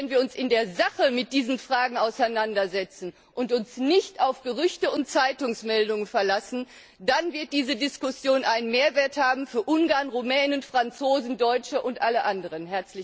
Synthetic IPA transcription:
ɛnviːɐʊnsɪndeːɐzaχəmɪt̚d̥iːzn̩fʁ̥aːɡŋ̩aʊsaɪnandɐzɛt͡sn̩ | ʔʊntʊnsnɪçtaʊfɡ̥əʁʏçtəʊntt͡saɪtʊŋsmɛldʊŋənfɛɐlasn̩ | danvɪɐt̚d̥iːzədɪskʊsjoːnʔaɪnənmeːɐveːɐthaːbm̩fyːɐʔʊŋɡaːɐnʁumɛːnənfʁ̥ant͡soːzn̩dɔʏt͡ʃəʔʊntʔaləʔandəʁ̞ənɦɛɐt͡slɪ

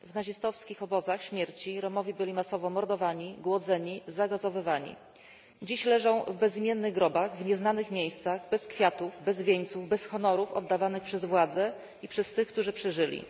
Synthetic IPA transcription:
vnaʑist̪ɔfskʲixɔbɔzaxɕmʲjɛɾt͡ɕiɾɔmɔvʲjibɘlʲimasɔvɔmɔɾd̪ɔvaɲiɡwɔd̪zɛɲizaɡɔzɔvɘvaɲḭ | d͡ʑiɕlɛʐɔ̃w̃vbɛzmʲjɛnːɘɣɡɾɔbaɣvɲɛznanɘxmʲjejst̪saɣbɛskfʲjat̪uvbɛzvʲjeɲt̪suvbɛsxɔnɔɾufɔ̰d̪ːavanɘxpʂɛzvwad̪zɛ | ipʂɛst̪ɘxk̚t̪uʐɘpʂɘʐɘlʲḭ

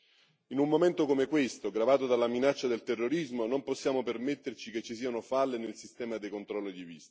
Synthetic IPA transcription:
inumːoment̪okomekwest̪oɡɾavaːt̪od̪alaminat͡ʃːad̪elt̪erːoɾizmonomposːjaːmopermet̪ːert͡ʃiket͡ʃːisiːanofalːenelsist̪ɛːmad̪ekont̪ɾɔlːod̪ivist̪ḁ

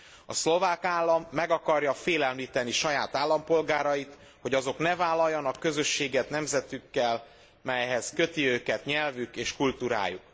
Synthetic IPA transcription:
ɒslo̞vaːkaːlːɒmːɛɡɒkɒrjɒfeːlɛmliːt̪ɛniʃɒjaːt̪aːlːɒmpo̞lɡaːɾɒjit̪ | ho̞ɟɒzo̞knɛvaːlːɒjːɒnɒkːø̞zø̞ʃːeːɡɛt̪nɛmzɛt̪ykːɛl | mɛjɦɛzkø̞t̪iøːkɛt̪ɲɛlvykeːʃkult̪uːɾa̰ːjṵk

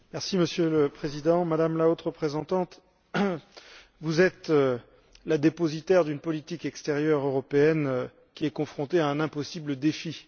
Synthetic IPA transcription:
mɛʁsiməsjøləpχezid̪ɑ̃mad̪amlaot̪χəpχezɑ̃t̪ɑ̃t̪ | vuzɛt̪ | lad̪epozit̪ɛʁd̪ynpɔlit̪ikɛkst̪eʁjœʁøʁɔpeɛn | kʲiɛkɔ̃fχɔ̃t̪eaɛ̃nɛ̃pɔsibləd̪efi

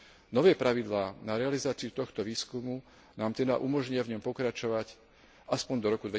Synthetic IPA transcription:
nɔʋɛːpɾaʋid̪laːnaɾɛalizaːt͡siut̪ɔxt̪ɔʋiːskumu | naːmt̪ɛd̪aʔumɔʒɲɪavɲɔmpɔkɾat͡ʃɔʋac | aspɔɲd̪ɔɾɔkud̪ʋɛ

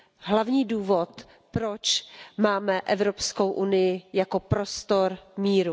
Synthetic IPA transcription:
ɦlavɲiːduːvo̞t̪ | pɾot͡ʃmaːmɛʔɛvɾo̞pskowʔunɪjɪjako̞pɾost̪o̞ɾmiːɾu

